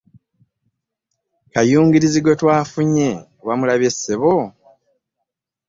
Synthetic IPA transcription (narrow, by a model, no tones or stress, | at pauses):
kajuːŋɡiɾiziɡo̞twaːfuɲe̞ | wamulaβe̞sːeβo